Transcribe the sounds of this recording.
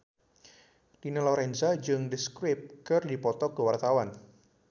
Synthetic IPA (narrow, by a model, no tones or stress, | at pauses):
d̥inəlɔɾɛnsad͡ʒɨŋdəskɾɪp̚kərdipɔt̪ɔkəwart̪awan